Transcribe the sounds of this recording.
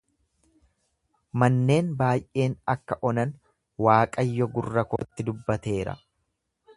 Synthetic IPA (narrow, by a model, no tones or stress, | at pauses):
mɐnːe̞ːnbaːjʔe̞ːnɐkːɐʔɔnɐn | waːkʼɐjːɔɡʊrːɐko̰ːt̪ːɪd̪ʊbːɐt̪e̞ːɾɐ̰